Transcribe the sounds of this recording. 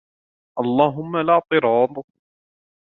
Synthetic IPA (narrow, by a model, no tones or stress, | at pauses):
ʔɑlˤːɑːɦʊmːalaʕt̪ˤɨɾɑːd̪ˤ